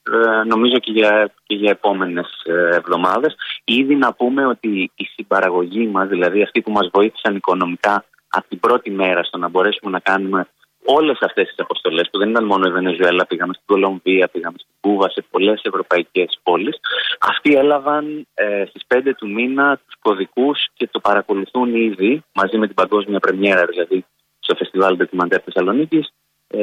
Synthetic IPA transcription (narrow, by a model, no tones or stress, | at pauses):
no̞mizo̞ceʝɐceʝɐe̞po̞me̞ne̞sːvðo̞mɐðe̞siðinɐpume̞o̞t̪iːsibɐɾɐɣo̞ʝimɐzðilɐðiɐft̪ipumɐzvo̞iθi̥sɐniko̞no̞mikɐ | ɐ̰pot̪ibɾo̞t̪ime̞ɾɐst̪o̞nɐbo̞ɾe̞sume̞nɐkɐnume̞ | o̞le̞sɐft̪e̞st̪isɐpo̞st̪o̞le̞spuðe̞nit̪ɐnmo̞no̞ive̞ne̞zue̞lɐpiɣɐme̞st̪iɡo̞lo̞ɱviɐpiɣɐme̞st̪iɡuvɐse̞po̞le̞se̞vɾo̞pɐice̞spo̞lisɐ̰ft̪ie̞lɐvɐnst̪ispe̞nd̪e̞t̪uminɐt̪u̥sko̞ðikusce̞t̪o̞pɐɾɐko̞luθuniðimɐzime̞t̪ibɐɡo̞zmiɐpɾe̞me̞ɾɐðilɐði | st̪o̞fe̞st̪ivɐld̪ocimɐnt̪eɐt̪θe̞sɐlo̞nicis